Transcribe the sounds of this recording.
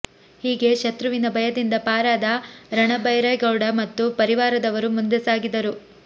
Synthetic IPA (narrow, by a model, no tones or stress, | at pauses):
hiːɡe̞ʃɐt̪ɾuʋinɐbɐjɐd̪ind̪ɐpaːɾaːd̪ɐɾɐɳɐbɐjɾɐjɡɐwɽɐmɐt̪ːupɐɾiʋaːɾɐd̪ɐʋɐɾumund̪esaːɡid̪ɐɾu